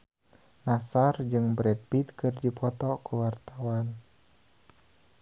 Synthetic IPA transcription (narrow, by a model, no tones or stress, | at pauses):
nasard͡ʒɨŋbɾɛpit̪̚kɨrd͡ʒipʰɔt̪ɔkuwart̪awan